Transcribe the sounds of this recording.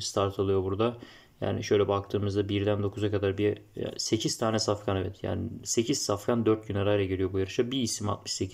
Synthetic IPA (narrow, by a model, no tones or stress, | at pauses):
st̪ʰaɾt̪ʰalˠɯjo̞buɾd̪a | ja̰ːnḭʃøjlʲɛbak̚t̪ʰɯːmɯzd̪abiɾd̪ænd̪o̞kʰuzakad̪aɾbiɛ̰se̞cʰiz̥t̪ʰaːnɛsafkʰanevɛt̪ʰja̰ːnḭse̞cʰiz̥safkʰand̪øɾt̪̚ɟynaɾaːjɾaɟeɾʲijo̞bujaɾɯʃabiːsima̰t̪̚mɯ̥ʃse̞cʰiz